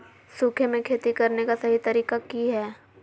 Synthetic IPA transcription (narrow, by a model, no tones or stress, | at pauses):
suːkʰemẽkʰeːt̪ikɐɾnekasɐɦit̪ɐɾiːkakiɦɛː